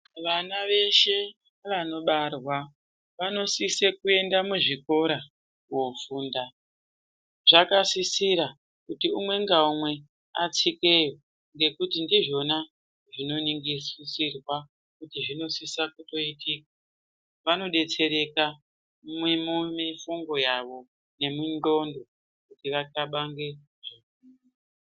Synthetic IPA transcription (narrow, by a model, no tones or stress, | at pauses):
ʋanaʋe̞ʃe̞ | ʋano̞ɓarwa | ʋano̞sisekue̞ndamuʐiko̞ɾa | wofuːnda | ʐ̥akasisiɾa | kutiumwe̞ŋɡaumwe̞ | a̰t͡sike̞jo̞ | ŋɡe̞kutindiʐo̞na | ʐino̞niŋɡisisirwa | kutiʐino̞sisakuto̞itik̚ḁ | ʋano̞ɗe̞t͡se̞ɾe̞ka | mwimumifuŋɡo̞jaʋo̞ | ne̞mindo̞ndo̞ | kutiʋakaɓaŋɡe | ʐe | u